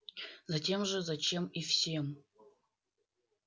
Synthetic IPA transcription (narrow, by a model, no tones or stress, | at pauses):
zatʲʰe̞mʐəzat͡ʃʰe̞mifsʲem